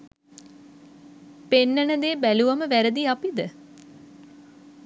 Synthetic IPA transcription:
penːənəd̪eːbæluʋaməʋæɾəd̪iapid̪ə

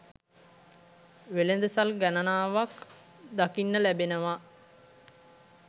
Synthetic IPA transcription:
ʋelend̪əsalɡænənaːʋak | d̪akinːəlæbenəʋa

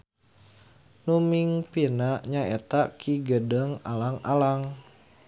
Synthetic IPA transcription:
numiŋpinaʔɲaet̪akʰiɡədəŋa̰laŋa̰laŋ

